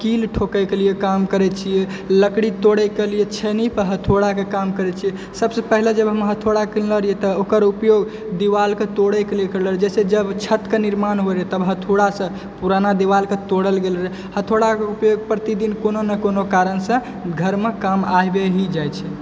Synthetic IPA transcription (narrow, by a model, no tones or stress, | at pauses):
kilʈʰokəɪkeliekamkəɾɛt͡ʃʰijɛ | ləkɽit̪oɽɛkelijet͡ʃʰenipəɦət̪ʰoɽakekamkəɾɛt͡ʃʰijɛ | səbsepəɦled͡ʒəbɦəmɦət̪ʰoɽakilləɾijɛt̪ɔokəɾupjoɡ | d̪iʋalket̪oɽɛkelekəɾləɾd͡ʒɛsed͡ʒəbt͡ʃʰət̪keniɾmanɦoɾet̪əbɦət̪ʰoɽasə̃ | puɾanad̪iʋalket̪oɽəlɡelɾe | hət̪ʰoɽakeupjoɡ̚pɾət̪id̪inkononəkonokaɾənsə̃ | ɡʱəɾmekamajbeɦid͡ʒajt͡ʃʰɛ